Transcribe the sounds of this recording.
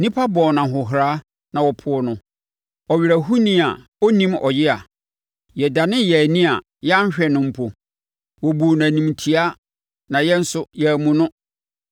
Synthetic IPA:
nĩ˦pʰa˦bɔ̃˨nã˨ɦʊ˨ɦɾaː˦ | nã˨wɔ˨pʰʊ˨ɔ˨nʊ̃˨ | ɔ˨ɥi˨ɾæ˨ɦu˦nĩ˦a˨ | o˦nĩ˦mɔ̰˨jɪ˦a˨ | jɛ˨da˨nɪ̃˦jɛ˨nĩ˦a˨ | jɛ˦a˦ɕᶣɛ˨nʊ̃˦m̩˦pʰo˨ | wɔ˨bu˨næ̃˨nĩ˨mtʰi˦a˦ | nã˨jɛ˦n̩˦sʊ˦jɛ˦˨mũ˨nʊ̃˦

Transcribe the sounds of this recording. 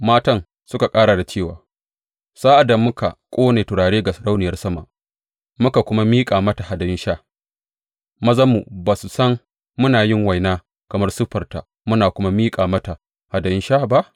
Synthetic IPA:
maː˦tɐ˦n | sʊ˦ka˨kʼaː˦ɽa˨da˨t͡ʃeː˦˨wa̰ː˨ | saː˦ʔa˨da˨mʊ˦ka̰˨kʷʼoː˦neː˨tʊ˨ɽaː˨ɽeː˦ɡa˨sʊ˨ɽa˦wnɪ˨jɐ˦rsɐ˦ma̰˨ | mʊ˦ka˨kʷʊ˦ma˦miː˦kʼaː˨mɐ˦ta˨ha˨dɐ˨ɪ˦nʃaː˦ | mɐ˦zɐ˦mu˨baː˨su˨sɐ˦ŋː | ʊ˦naː˨jɪ˦ŋwa˨jnaː˦ | kɐ˨mɐ˦rsʊ˦ɸɐ˨rta˨ | mʊ˦naː˨kʷʊ˦ma˦miː˦kʼaː˨mɐ˦ta˨ | ha˨dɐ˨ɪ˦ʃa˦ba˦ʔ

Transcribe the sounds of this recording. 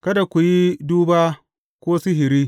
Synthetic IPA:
kɐ˦da˨kʷu˨ji˦duː˦baː˦ | kʷoː˦sɪ˦ɦɪ˨ɾiː˦

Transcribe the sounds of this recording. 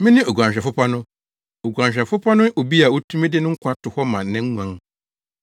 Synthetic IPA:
mɪ̃˦nɪ̃˦o˨ɡʷã˨ɲ˨ɕᶣɛ˨fʊ˦pʰa˦nʊ̃˦ | o˨ɡʷã˨ɲɕᶣɛ˨fʊ˦pʰa˦nʊ̃˦o˨bi˦a˨o˦tʰũ˦mɪ̃˦dɪ˦nʊ̃˦ŋ̩˦kʷʰã˦tʰʊ˨hɔ˦mã˨˦nɛ̃˦ŋ˦ŋũ˨ã˨ŋ

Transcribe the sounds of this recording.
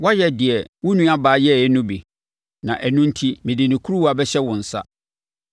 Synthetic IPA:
wa˦jɛ˨dɪ˨ɛ˨wʊ̃˦nũ˦a˦baː˨˦jɛ˦˨ɛ˦nʊ̃˦bi˨ | nã̰˨ʔæ˨nʊ̃˦n̩˦tʰi˦mɪ̃˨dɪ˨nɪ̃˨kʰu˦ɾu˦wa˨bɛ˦ɕɛ˦wʊ̃˨n̩˨sa̰˦

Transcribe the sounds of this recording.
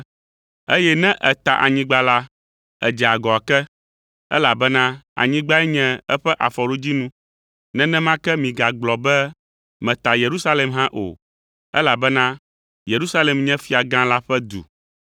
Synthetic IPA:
e˦jɛ˦nɛ̃˦ʔɛ˨t̪a̰˨ʔa̰˨ɲĩ˦ɡ͡ba˦la˦ | ɛ̰˨d͡ʒɛ˨a˨ɡɔ˨a˨kɛ˦ | ɛ̰˦la˨bɛ˦nã˦a̰˨ɲĩ˦ɡ͡ba˦ɛ˦ɲɛ̃˦ɛ˦ɸɛ˦ʔa˨fɔ˨ɖo˦d͡ʑi˦nũ˦ | nɛ̃˦nɛ̃˦mã˦kɛ˦mĩ˨ɡa˨ɡ͡blɔ˨bɛ˦ | mɛ̃˨t̪a˨je˨ɾu˦sa˦le˨mɦã˦ʔo̰˨ | ɛ̰˦la˨bɛ˦nã˦ | je˨ɾu˦sa˦lɛ˨mɲɛ̃˦fi˦a˨ɡã˦la˦ɸɛ˦d̪ṵ˨

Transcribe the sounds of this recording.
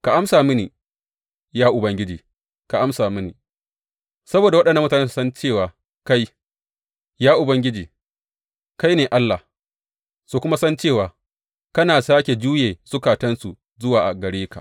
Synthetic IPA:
ka˨ʔa˦msaː˨mɪ˦ni˨ | jaː˦ʔʊ˨bɐ˦ŋɡʲɪ˦d͡ʒiː˨ | ka˨ʔa˦msaː˨mɪ˦nḭ˨ | sɐ˦boː˨da˨wɐ˦ɗɐ˨nːɐ˨m˦ta˨neː˦s̬sɐ˦nt͡ʃeː˦˨waː˨ | ka˦j | jaː˦ʔʊ˨bɐ˦ŋɡʲɪ˦d͡ʒiː˨ | ka˦jneː˨ʔa˦lːa˨ | su˨kʷʊ˦ma˦sɐ˦nt͡ʃeː˦˨waː˨ | kɐ˦naː˨saː˦kʲe˨d͡ʒuː˦jeː˨sʊ˦kaː˨tɐ˦nsu˨ | zʊ˦waː˨ʔa̰˨ɡɐ˨ɽeː˦ka̰˨ʔ

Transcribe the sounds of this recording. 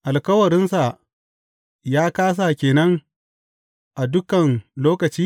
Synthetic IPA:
ʔa˨lkɐ˦wɐ˨ɾɪ˦nsa˨ | jaː˦kaː˦s̬a˨kʲeː˨nɐ˦ŋ | ʔa˨dʊ˦kɐ˨nloː˦kɐ˨t͡ʃiː˦

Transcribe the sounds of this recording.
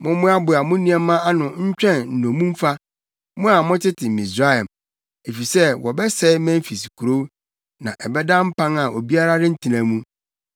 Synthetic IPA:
mʊ̃˦mʊ̃˦a˦bʊ˨a˨mʊ̃˦nĩ˦ɛ˦mã˦a˦nʊ̃˨ɲ̩˦t͡ɕᶣɛ̃˦˨nn̩˨nõ˨mũ˦m̩˦fa˦ | mʊ̃˦a˨mʊ̃˦tɪ˦tʰɪ˨mĩ˨sɾa˦ɛ˨m | e˨fi˨sɛ˦wɔ˨bɛ˦sɛ˦mæ̃˦m˦fi˨si̥˨kʰu˨ɾo˦ | nã̰˨ʔɛ˨bɛ˦dã˦m̩˦pʰã˦ŋa˨o˨bi˦a˦ɾa˦ɾɪ̃˦n̩˦tʰi˨næ̃˨mũ˦

